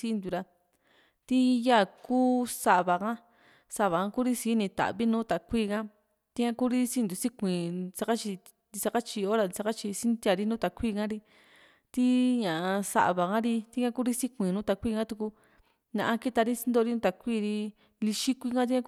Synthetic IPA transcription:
si˧˦˧nd̪u˨ɾa˧ | t̪i˦ja˦˨kuː˦sa˧βa˨kã˦ | sa˧˨βa˨kã˧˦ku˦ɾi˦si˧˦nĩ˧t̪a̰˨βi˦nũː˦t̪a˨kʷiː˦˧˨kã˦ | t̪i˦ŋã˦ku˦ɾi˦si˦nd̪u˨˧si˦kʷĩ˨sa˧ka˦t͡ʃi˧ | nd̪i˧sa˧ka˦t͡ʃi˧o˦ɾa˧ni˧sa˧ka˦t͡ʃi˧si˦nd̪ʲa˧ɾi˦nũ˦t̪a˨kʷiː˦˧˨kã˦ɾi˧ | t̪i˦ɲã˨˧sa̰˨˧βa˨kã˦ɾi˧t̪i˦ŋã˦ku˦ɾi˦si˦kʷĩ˨nũː˦t̪a˧kʷi˦˧˨ŋã˦t̪u˧ku˧ | nã˧ʔã˧ki˦t̪a˧ɾi˦si˦nd̪o˧ɾi˦nũ˦t̪a˧kʷiː˦˧ɾi˧ | li˧ʃi˦kʷi˧kã˦t̪i˦ɲã˦

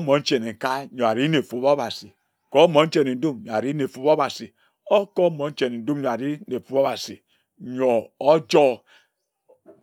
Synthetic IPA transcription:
mo˨˦n̩˦t͡ʃe˨ne˨ŋ˨ka˦ɲo˨a˨ɾi˦ne˨fu˨bo˦ba˨si˨ | ko˦mo˨˦n̩˦t͡ʃe˦˨ne˨n̩˦du˦mɲo˨a˨ɾi˦ne˨fu˨˦bo˦ba˨si˨ | o˦kɔ˦mo˨˦n̩˦t͡ʃe˨n˨n̩˨du˦m˦ɲo˨a˨ɾi˦ne˨fu˦bo˦ba˨si˨ | ɲo˨o˦d͡ʒɔ˦

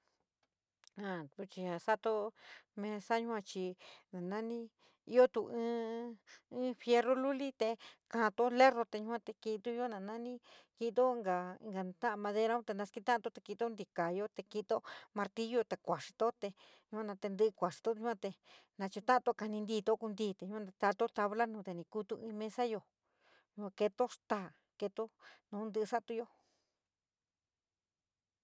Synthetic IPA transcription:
ã˨t̪u˧t͡ʃi˧a˧sa˦t̪o˦mẽ˧sa˦ɲũ˦hʷã˧t͡ʃi˧nã˨nã˦nĩ˦ | i˦o˦t̪u˧ɨ̃ː˦ | fje˧ro˦lu˦li˦t̪e˧kã˧˨˧t̪o˦le˦ro˧t̪e˧ɲũ˧˦˧ã˧t̪e˧ki˧t̪u˦˧jo˦nã˧nã˦nĩ˦ki˧t̪o˦˧˦ŋɡa˧ḭ˧ŋɡa˧˨t̪ã˦ã˧mã˧ðe˧ɾa˧˦ũ˦t̪e˧nã˧ski˦˧t̪ã˦˧t̪o˦˧t̪e˧ki˧t̪o˦nd̪i˧ka˨jo˦t̪e˧ki˧t̪o˦mã˧ɾt̪i˦jo˦˧t̪e˧kʷa˨ʂi̥˧t̪o˦t̪e˧ | ɲũ˧ã˧nã˧t̪e˧nd̪ɨ˧kʷa˨ʂi̥˧t̪o˦ɲũ˦ã˧t̪e˧nã˧t͡ʃu˧t̪ã˦ʔa˧t̪o˧ka˧nĩ˧nd̪iː˧t̪o˦ku˧nd̪iː˦˧t̪e˧˨ɲũ˧˦kʷã˧˦˧t̪a˧t̪o˦t̪a˧βla˦nũː˧t̪e˧nĩ˧ku˦t̪u˧ĩ˧mẽ˧sa˦jo˧ | ɲũ˧ã˧ke˧t̪o˦st̪a˦˧˨ | ke˧t̪o˦nũ˨˦nd̪ɨ˧sa˦ʔt̪u˧jo˦

